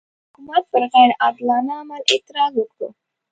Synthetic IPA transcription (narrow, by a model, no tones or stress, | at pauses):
hʊkumat̪̚pəɾɣaɾad̪lɑnaːmalet̪ɪɾɑzwəko